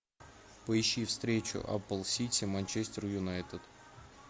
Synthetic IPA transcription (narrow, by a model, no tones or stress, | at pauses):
pəɪɕːifst̪ɾʲet͡ɕʊ̰ʔa̰pəlˠsʲit̪ʲimanʲt͡ɕesʲtʲɪrjʊnajt̪ət̪